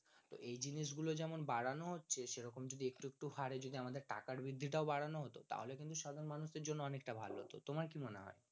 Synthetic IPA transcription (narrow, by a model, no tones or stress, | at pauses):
t̪o̰ʔejd͡ʑiniʃ̬ɡulod͡ʑɛmonbaɽanoɦotːɕʰeʃeɾɔkomd͡ʑod̪iek̚ʈuek̚ʈuhaɾed͡ʑod̪iamad̪eɾʈa̰kaɾbɾid̪ʱːiʈ̬aobaɽanoɦot̪ot̪a̰ɦolekint̪uʃad̪ʱaɾonmanuʃd̪eɾd͡ʑonːoɔnek̚ʈabʱa̰loɦo̰t̪o̰t̪omaɾkimoneɦɔ̰e